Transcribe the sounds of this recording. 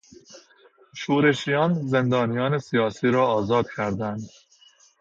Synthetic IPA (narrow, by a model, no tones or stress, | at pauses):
ʃuːɾe̞ʃijɒːnze̞nd̪ɒːnijɒːne̞sijɒːsiːɾɒːɒːzɒːd̪̥cʰæɾd̪ænd̪